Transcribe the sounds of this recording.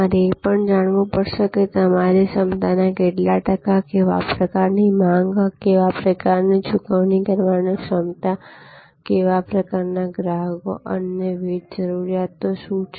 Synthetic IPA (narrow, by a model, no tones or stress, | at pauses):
aɾeːpəɳd͡ʒaɽ̃ʋũpəɾʃeket̪əmaɾesəmt̪anakeʈlaʈəkakeʋa̰pɾəkaɾnimãŋɡkeʋapɾəkaɾnit͡ʃʰukəʋnikəɾʋaneʃəmt̪a | keʋapɾəkaɾnaɡɾaɡo̰ʔə̰nːeʋid͡ʒd͡ʒəɾuɾijat̪ːoʃũt͡ʃʰ